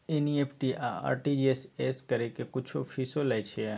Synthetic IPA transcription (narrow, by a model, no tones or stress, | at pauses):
eniepʰʈiʔaa̰ɾʈid͡ʒieseskəɾekekut͡ʃʰofisolajt͡ʃʰe